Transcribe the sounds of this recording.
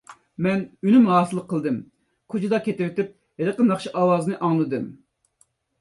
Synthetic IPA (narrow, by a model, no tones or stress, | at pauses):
mɛnynymɾɑːsɨlˠəqʰːəlˠd̪ɨm | kʰʊd͡ʒid̪ɑkʲʰet̪ɪwɪt̪ɪp̚ | heɾəqənɑχʃiʔɑwɑːzɨnɨʔɑŋlˠɨd̪ɨm